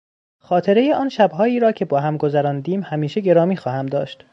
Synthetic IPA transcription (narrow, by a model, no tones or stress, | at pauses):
xɒːt̪ʰe̞ɾejeɒːnʃæbɦɒːiːɾɒːcʰe̞bɒːɦæmɡo̞zæɾɒːnd̪iːmhæmiːʃe̞ɟe̞ɾɒːmiːxɒːhæmd̪ɒːʃt̪